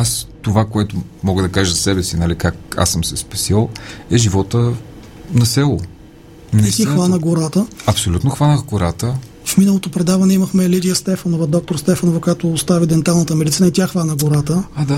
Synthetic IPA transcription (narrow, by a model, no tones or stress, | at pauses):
ast̪ovakoɛt̪ʊmɔɡəd̪ɐkaʒəzɐsɛbɛsinɐlikak̚a̰səmsɛspɐsilˠɛʒivɔt̪ə | nɐsɛlˠo | nɛist̪ixvanəɡoɾat̪əɐpsolʲut̪noxvanəxɡoɾat̪ə | fminəlˠot̪opɾɛd̪avɐnɛiməxmɛlid̪ijəst̪ɛfɐnovɐd̪ɔk̚t̪oɾst̪ɛfɐnovɐkojat̪oːst̪avid̪ɛnt̪alˠnət̪əmɛɾit̪sənɐt̪ʲjaxvanəɡʊɾat̪əad̪a